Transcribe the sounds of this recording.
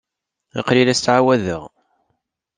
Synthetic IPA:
ɑ̰qɾilæst̪ʕawæðəʁ

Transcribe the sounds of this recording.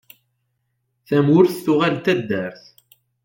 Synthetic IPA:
θæmʊɾθθʊʁalt̪ːæd̪ːæɾθ

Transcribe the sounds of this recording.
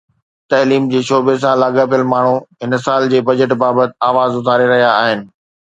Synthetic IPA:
t̪ɐliːmd͡ʑeːʃoːbes̬ãlaːɡapijəlmaːɳ̤ũɦɪnsaːld͡ʑeːbɐd͡ʑəʈbaːbət̪ɪ̆aːʋaːzʊt̪ʰaːɾeɾɐɦijaːɦɪnɪ̆

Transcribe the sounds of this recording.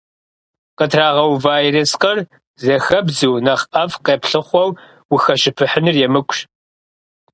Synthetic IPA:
qətʰraːʁɐwvaːjresqɐr | zɐxɐbzuwnɐχɐvqeːpɬɨχʷɔw | wʊxɐʃɪpʰɨħənɨrjɛmɨkʷɕ

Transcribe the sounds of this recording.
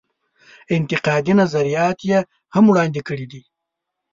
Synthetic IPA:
ɪnt̪ɪqɑːd̪inazɐɾijɑːt̪je | hamwɽɑːnd̪ikəɽid̪i

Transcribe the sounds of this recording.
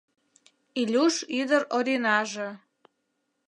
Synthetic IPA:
ilʲuʃid̪əɾoɾʲinɑʒə̆

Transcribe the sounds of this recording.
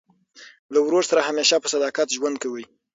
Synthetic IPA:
lawɾoɾsaɾahameʃapəsad̪ɑkat̪ʒwand̪̚kawi

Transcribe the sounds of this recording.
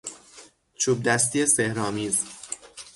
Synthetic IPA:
t͡ʃʰuːb̚d̪æst̪ijesehɾɒːmiːz

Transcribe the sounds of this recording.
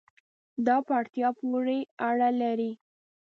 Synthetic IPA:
d̪ɑpaɽt̪jɑpwuɾeaɽalaɾi

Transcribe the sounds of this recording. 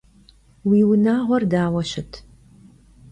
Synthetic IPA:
wiːwʊnaːʁʷɔrdaːwɐʃɪtʰ

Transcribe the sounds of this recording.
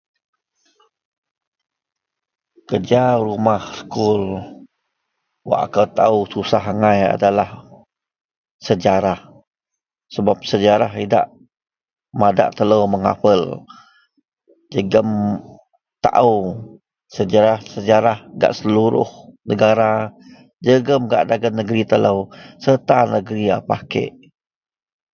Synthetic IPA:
kəd͡ʒaɾumahsəkʊl | wa̰ʔa̰kəwt̪aususaɦaŋaja̰dalah | səd͡ʒaɾah | səbap̚səd͡ʒaɾaɦida̰ʔ | mada̰ʔt̪ələwməŋa̰pəl | d͡ʒəɡəm | t̪a̰ʔəw | səd͡ʒaɾahsəd͡ʒaɾahɡa̰ʔsəluɾʊ̰hnəɡaɾa | d͡ʒəɡəmɡa̰ʔdaɡənːəɡɾit̪ələwsət̪anəɡəɾia̰pakə̰ʔ

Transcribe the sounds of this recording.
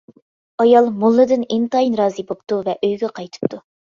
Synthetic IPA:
ɑjɑlˠmulˠːɨd̪ɨnɪnt̪ɑjinɾɑːzɨbopt̪uvɛʔøjɡʲɛqʰɑjt̪ʰɨ̥p̚t̪ʰu

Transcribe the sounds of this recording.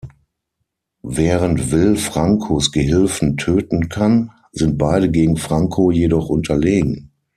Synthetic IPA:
vɛːʁəntvɪlfʁ̥aŋkʰoːsɡ̥əɦɪlfn̩tʰøːtn̩kʰan | zɪnt̚b̥aɪdəɡeːɡŋ̩fʁ̥aŋkʰojedɔχʔʊntʰɐleːɡŋ̩

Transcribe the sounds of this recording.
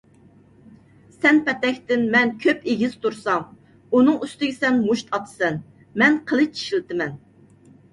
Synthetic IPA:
sɛnpɛt̪ɛkʲt̪ɪnmɛnkʲʰøpeɡʲiz̥t̪ʰuɾsɑŋ | unɨŋyst̪ɪɡʲɪsɛnmuʃt̪ʰɑt̪ʰɨ̥sɛn | mɛnqʰəlˠɨt͡ʃʰi̥ʃilt̪ɪmɛn

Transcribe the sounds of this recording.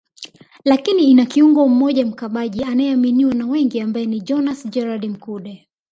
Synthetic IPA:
lakiniːnakiuŋɡɔm̩mɔʄam̩kaɓaʄianajɛaminiwanawɛŋɡiambajɛniʄɔnasd͡ʒɛɾaɗim̩kuɗɛ

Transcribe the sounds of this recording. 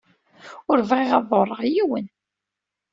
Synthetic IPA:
ʊɾvʁiʁɑðˤoɾˤːəʁjiwən

